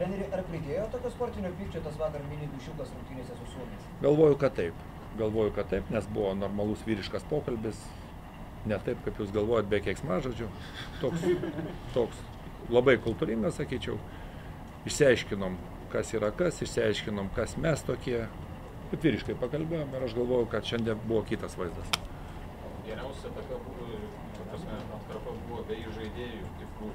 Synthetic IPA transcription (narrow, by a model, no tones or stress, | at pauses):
t̪ɾʲɛnʲeːɾʲɪʔɐrpʲlʲɪk̪ʲeːjot̪oːkʲoːspoːrʲt̪ʲɪnʲoːpʲʋʲiːkʲt͡ʃʲoːt̪ɐsʋɑːkɐrmʲiːnʲiːɡ̪uʃʲɪlˠkɐsɾʊŋkt̪ʲinʲeːsʲɛsʊsuɔmʲesʲɛɡɐlˠʋoːjʊkɐtt̪ɐɪp | ɡɐlˠʋoːjʊkɐt̪t̪ɐɪpnʲɛsbʊʋoːnoːrmɐlˠʊsʋʲiːɾʲɪʃkɐspoːkɐlʲbʲɪs | nʲɛt̪ɐɪpkɐpjuːsɡɐlˠʋoːjot̪̚bʲɛkʲɛksmɑːʒoːd͡ʒʲʊ | t̪oːks | t̪oːks | lˠɐbɐɪkʊlˠt̪uːɾʲɪŋɡɐssɐkʲiːt͡ʃʲɛʊ | ɪʃʲsʲɪɐɪʃʲkʲɪnoːm | kɐsiːɾɐkɐsɪʃʲsʲɪɛɪʃʲkʲɪnoːmkɐsmʲɛst̪oːkʲiɛ | nʊt̪ʋʲiːɾʲɪʃkɐɪpɐkɐlʲbʲeːjoːmɪɾɐʃɡɐlˠʋoːjʊkɐt̪ʃʲɛnʲd̪ʲiɛnbuʋoːkʲiːt̪ɐsʋɐɪzd̪ɐs | ɐɡʲɛɾʲɛʊsʲɛt̪ɐkɐbuːʋoɪ | ɐpɐsʲmʲɛʒʲnoːt̪kɐrposbuːʋoːbʲɛɪʒɐɪd̪ʲeːjʊt̪ʲɪkuː